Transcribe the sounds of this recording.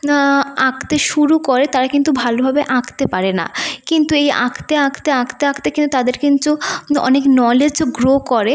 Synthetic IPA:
akʰt̪eʃuɾukoɾet̪aɾakint̪ubʱalobʱabeʔakʰt̪epaɾena̰kint̪ueja̰kʰt̪eakʰt̪eakʰt̪eakʰt̪ekint̪ut̪ad̪eɾkint̪uɔ̰neknɔled͡ʑɡɾokoɾe

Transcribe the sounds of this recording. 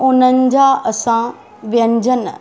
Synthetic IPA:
ʊnənɪ̆d͡ʑaʔɐsã | ʋjɐ̃ɲd͡ʑən

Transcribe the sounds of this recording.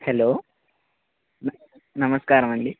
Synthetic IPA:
heloː | n | nɐmɐskaːɾɐmɐɳɖi

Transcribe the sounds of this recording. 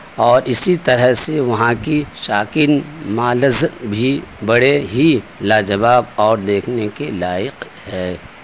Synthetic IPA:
ɔːɾʔɪsit̪ɐɾəɦseʋɐɦãkiʃaːkinmaːləzbʱibɐɽeɦilaːd͡ʒɐʋaːbɔːɾd̪eːkʰnekelaːɪq | ɦɛː

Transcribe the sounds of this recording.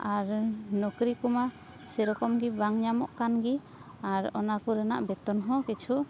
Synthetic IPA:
aɾnɔkɾikuma | sɛɾɔkɔmɡibaŋɲamɔ̰ʔkanɡi | aɾɔnakuɾɛna̰ʔbɛt̪ɔnɦɔ̃kit͡ʃʰu

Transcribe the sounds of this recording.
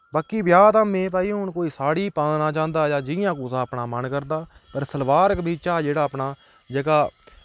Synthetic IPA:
baːkiːbjaːt̪aːmẽːp̪aːiːɦʊɳkoːiːsaːɽiːpãːnnãːt͡ʃãːnd̪aːjãːd͡ʒɪjãːkuːsaːəpnaːmənkəɾd̪aːpəɾsəlʋaːɾəkbʱiːt͡ʃaːd͡ʒeːɽaːəpnaː | d͡ʒəɡaː

